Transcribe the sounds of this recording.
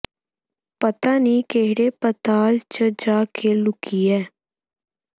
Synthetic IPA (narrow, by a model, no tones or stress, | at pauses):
pət̪aːniːkeɦɽeːpət̪aːlt͡ʃəd͡ʒaːkʰeːlʊkiːɛː